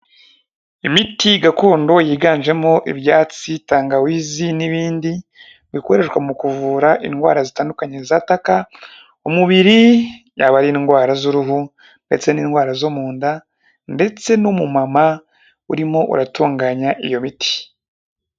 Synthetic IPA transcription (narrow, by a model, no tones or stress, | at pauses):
imitiɡako̞ːndo̞jiːɡaːnʒe̞mo̞ʔiβjaːt͡sitaːŋɡawiːziniβiːndi | bikuweɾe̞ʃwamukuvuːɾaʔḭnɡwa̰ːɾazitaːndukaɲe̞zataka | umuβiɾi | jaβaɾinɡwaːɾazuɾuɦu | nde̞t͡se̞niːnɡwaːɾazomuːnda | nde̞t͡se̞numumama | uɾimo̞ʔṵɾatuːŋɡaːɲaʔḭjo̞mitʰi̥